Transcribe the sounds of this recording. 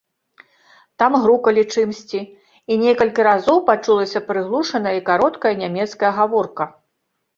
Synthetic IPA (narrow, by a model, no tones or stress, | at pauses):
t̪amɣɾukɐlʲit͡ʂɨmsʲt͡sʲi | inʲɛkɐlʲkʲiɾazɔwpat͡ʂulˠɐsʲɐpɾɨɣlˠuʂɐn̪ɐjɐikaɾɔt̪kɐjɐnʲamʲɛt̪skɐjɐɣavɔrkɐ